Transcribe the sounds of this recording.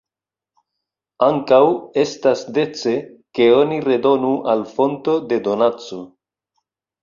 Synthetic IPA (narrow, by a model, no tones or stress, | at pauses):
aŋkawe̞stasde̞t͡se̞ke̞o̞niɾe̞do̞nuʔalfo̞nto̞de̞do̞nat͡so̞